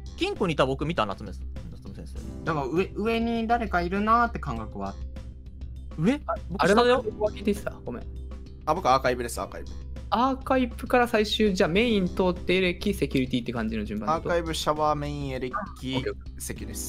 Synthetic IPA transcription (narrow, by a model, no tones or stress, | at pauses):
ɡ̥ʲĩŋkoɲ̟it̪abo̞kɯ̟mʲit̪ana̰t͡sɨmesɨ̥nst̪omɯsẽsḛːd̪akaɯ̟eɯ̟e̞ɲ̟id̪aɾe̞kaiɾɯ̟naːt̪ːe̞kãŋɡakɯ̟βa | ɯ̟e̞boaɾemad̪ebokɯ̟βakʲiːt̪ekʲista̰ɡ̥o̞mḛ̃ | abo̞kɯaːkaibɯ̟d̪esɨa̰kaipɯ̥aːkaipɯ̟kaɾasaiɕɨːd͡ʑaːme̞ĩnt̪oːt̪ːeeɾekʲise̞kʲuɾʲit̪ʲit̪ːe̞kãɲ̟d͡ʑino̞d͡ʑɨ̃mbãatokaibɯ̟ɕaβame̞ĩeɾekʲiokːek | sekʲɯɾʲesɨ̥